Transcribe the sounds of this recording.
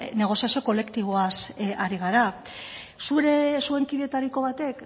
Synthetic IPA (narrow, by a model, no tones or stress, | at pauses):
ne̞ɣ̞o̞sijasio̞ko̞le̞kt̪iβ̞oasaɾiɣ̞aɾa | suɾe̞sue̞ŋkiðet̪aɾiko̞β̞at̪e̞k